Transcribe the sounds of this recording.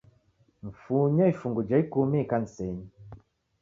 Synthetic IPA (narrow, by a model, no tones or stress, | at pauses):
ɱ̩fuɲaifuŋɡud͡ʒaikumikan̩sɛɲi